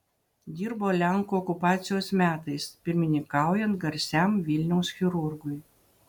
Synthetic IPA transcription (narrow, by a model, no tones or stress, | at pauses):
d̪ʲiːɾboːlʲæŋkuːɔkʊpɑːt̪sʲɪjoːsmʲæːt̪ɐɪspʲɪɾʲmʲɪnʲɪŋkɑˑʊjɛnt̪ɡɐɾʲsʲæmʋʲɪlʲnʲɛʊsxʲɪɾʊɾɡʊj